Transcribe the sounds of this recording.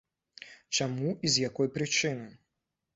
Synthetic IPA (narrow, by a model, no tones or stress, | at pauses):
t͡ʂamuizjakɔjpɾɨt͡ʂɨnɨ